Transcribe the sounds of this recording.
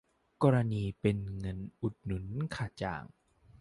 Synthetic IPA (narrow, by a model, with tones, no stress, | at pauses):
kɔː˧ɾa˧niː˧pe˧nŋɤ˧nʔu˨˩t̪̚nu˨˩˦nkʰaː˨˩t͡ɕa̰ː˨˩ŋ